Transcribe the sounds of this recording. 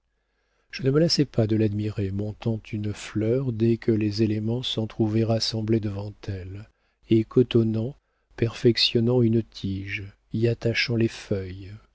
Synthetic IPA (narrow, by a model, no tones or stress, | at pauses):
ʒ̥ənəməlasɛpad̪əlad̪miʁemɔ̃t̪ɑ̃t̪ʰynflœʁd̪ɛkʰəlezelemɑ̃sɔ̃t̪χuvɛʁasɑ̃bled̪əvɑ̃t̪ʰɛl | ekʰɔt̪ɔnɑ̃ | pɛʁfɛksjɔnɑ̃ynt̪ʰiʒ | iat̪aʃɑ̃lefœj